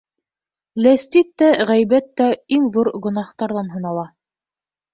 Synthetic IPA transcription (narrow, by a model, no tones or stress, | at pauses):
læst̪it̪ːæʁæjbæt̪ːæiŋðuɾɡɵ̆nɑht̪ɑɾðɑnɦɤ̆nɑlˠɑ